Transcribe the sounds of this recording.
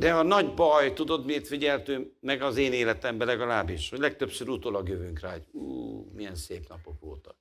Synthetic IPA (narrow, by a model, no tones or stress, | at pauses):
d̪ɛɒnɒɟbɒjt̪ud̪od̪meːrt̪fiɟɛlt̪øːmɛɡɒzeːneːlɛt̪ɛmbɛlɛɡɒlaːbiʃhoɟlɛkt̪øpsøɾut̪olɒɡjøvyŋkra̰ːɟṵːmijɛnseːpnɒpo̞kʋo̰ːt̪ɒ̥